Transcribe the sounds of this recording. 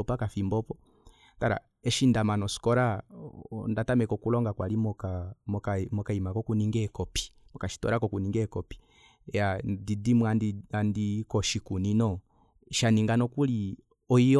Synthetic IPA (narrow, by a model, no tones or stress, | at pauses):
ɔpakafimbɔpɔ | taɾa̰ | ɛʃindamanɔsi̥kɔɾa | ndatamɛkɔkulɔŋɡakwalimɔkamɔkamɔkaimakɔkuniŋɡɛkɔpi̥mɔkaʃi̥tɔ̰ɾakɔkuniŋɡɛkɔpi̥ | jadidimwadiandikɔʃikuninɔ | ʃaniŋɡanɔkuli | ɔiɔ